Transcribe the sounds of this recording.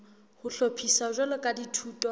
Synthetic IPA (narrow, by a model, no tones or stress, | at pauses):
hʊɬopʰisaʒalɔkʼaditʰuːtʼɔ